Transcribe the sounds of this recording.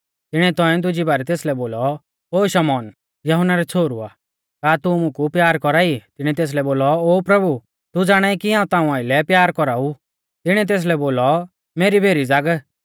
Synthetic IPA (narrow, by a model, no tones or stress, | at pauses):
t̪ɪɽ̃ɛt̪ɔ̃ɛ̃d̪ʊd͡ʒibaːɾɛt̪eːslɛboːlɔ | oːʃɐmɔːn | jɐɦʊnaɾɛt͡sʰoːɾua̰ː | kaːt̪ʊmʊ̃kupjaːɾkɔɾait̪ɪɽ̃ɛt̪eːs̬lɛboːlɔoːpɾɐbu | t̪ud͡zaːɽ̃aːikiɦãːũt̪aːũaːɪlɛpjaːɾkɔɾau | t̪ɪɽ̃ɛt̪̬eːs̬lɛboːlɔ | meːɾibʱeːɾid͡zaɡ